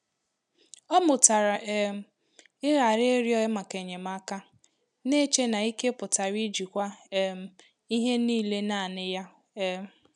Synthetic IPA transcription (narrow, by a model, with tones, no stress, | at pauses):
ɔ˦mʊ˨ta˨ɾa˨˦m˦ | ɪ˦ɣa˨ɾe˦e˦ɾi˦ɔ˦ɪ˦ma˨ke˨ɲe˨ma˦ka˦ | ne˦t͡ʃe˦na˨i˦ke˦pʊ˨ta˨ɾi˦d͡ʒi˨kʷa˦m˦ | i˦ɦe˦niː˦˨le˦na˨nɪ˦ja˦